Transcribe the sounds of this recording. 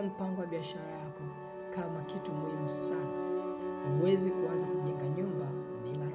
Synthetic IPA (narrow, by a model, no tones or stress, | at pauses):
alipaŋɡɔwaɓiaʃaɾajakɔ | kamakitumwɛm̩sa | hawɛzikuanzakuʄɛŋɡaɲumba | ilaɾ